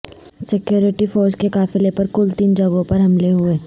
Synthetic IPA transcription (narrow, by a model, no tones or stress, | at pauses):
sɪkjoːɾɪʈifʰoːɾskekaːfɪlepɐɾkʊlt̪iːnd͡ʒɐɡõpɐɾɦɐmleɦʊeː